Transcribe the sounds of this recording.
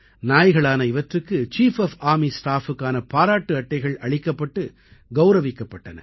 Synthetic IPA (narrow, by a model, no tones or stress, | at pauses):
naːjɣɐɭaːnɐɪʋɐʈrɯkːɯt͡ʃiːfɐfaːmisʈaːfɯkːaːnɐpaːɾaːʈːɯɐʈːɐɪɣɐɭɐɭɪkːɐpːɐʈːɯ | ɡɐʊɾɐʋɪkːɐpːɐʈːɐnɐ̰